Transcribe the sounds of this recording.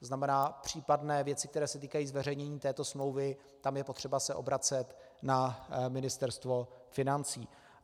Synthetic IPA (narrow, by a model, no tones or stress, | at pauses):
znamɛnaːpr̝̥iːpadnɛːvjɛt͡sɪkt̪ɛɾɛːsɛt̪iːkajiːzvɛr̝ɛjɲɛɲiːt̪ɛːt̪o̞smlowvɪ | t̪amjɛpo̞t̪r̝̥ɛbasɛʔo̞̰bɾat͡sɛt̪ | namɪnɪst̪ɛɾst̪vo̞fɪnant͡siː